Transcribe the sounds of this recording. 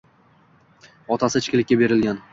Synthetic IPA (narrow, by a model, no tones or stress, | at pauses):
ɒt̪ʰasɪt͡ʃkʲɪlɪkʲːabe̞ɾɪlɡʲan